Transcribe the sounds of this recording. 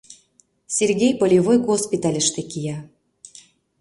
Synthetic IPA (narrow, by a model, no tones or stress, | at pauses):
sʲerɣʲejpolʲivojɣospʲit̪ɑlʲɘ̆ʃt̪ĕkijɑ